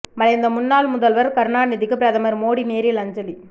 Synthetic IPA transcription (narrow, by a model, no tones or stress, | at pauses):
mɐlɐjnd̪ɐmʊnːaːlmʊðɐlʋɐɾkɐɾnaːnɪðɪkːɯpɾɐðɐmɐɾmoːɽineːɾilɐɲd͡ʒɐli